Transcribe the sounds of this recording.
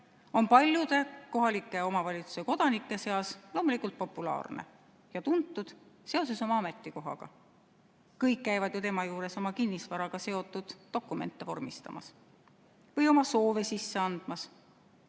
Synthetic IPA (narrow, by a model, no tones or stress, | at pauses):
o̞npɑlʲjud̪̥e̞ko̞ɦɑlikːˑe̞o̞mɑvɑlʲit̪su̥seko̞d̪̥ɑnikːˑe̞se̞ɑslo̞ːmulikːˑult̪̚po̞pːˑulɑ̰ːrnḛ | jɑt̪unt̪ːˑud̪̥se̞o̞s̬eso̞mɑɑme̞t̪ːˑiko̞ɦɑ̰ɡ̥ɑ̰ | kɤjkːæjvɑd̪jut̪e̞mɑjuːɾe̞so̞mɑkinːisvɑɾɑɡ̥ɑse̞o̞t̪ːˑud̪̥ːo̞kːˑume̞̰nt̪ːˑevo̞̰rmist̪ɑ̰mɑ̰s | vɤjo̞mɑso̞ːve̞sisːeɑnd̪̥mɑs